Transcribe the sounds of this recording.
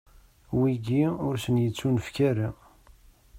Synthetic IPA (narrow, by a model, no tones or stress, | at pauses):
wiɡiʊɾsənjət͡sːunəfkæɾa